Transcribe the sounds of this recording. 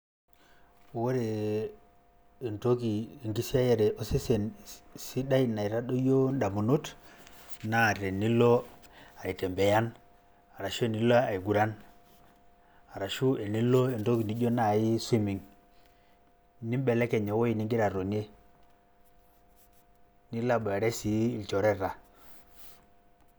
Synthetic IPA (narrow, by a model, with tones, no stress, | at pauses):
wo˦ɾe˨ | nto˦kiː˨ŋɡi˦si˦a˦je˨ɾe˨ʔo˦se˦se˨nsi˦da˦i˦na˨i˨ɾa˦ɗo˦jo˦nda˨mu˨no˦t | na˦˨ɾe˨ni˦lo˦a˨i˨te˨mbe˨ja˦n | a˨ɾa˨ʃo˦˨ni˦lo˦a˨i˨ɡu˨ɾa˦n | a˨ɾa˨ʃu˦e˨ni˦lo˦e˨ndo˦kni˦ɟo˦na˦˨ji˦si˦mi˨ŋ | ni˦m˦bɛ˨lɛ˦kɛ˨ɲe˨wo˦ji˨ni˦ŋɡi˦ɾa˨ɾo˨ne˦ | ni˦la˦˨ba˨ɾe˦si˨i˦˨lt͡ʃo˨ɾɛ˦ɾa˨